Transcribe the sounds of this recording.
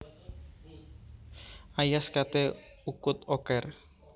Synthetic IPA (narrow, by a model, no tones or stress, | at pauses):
ajaskat̪e | ukʊt̪ɔkɛr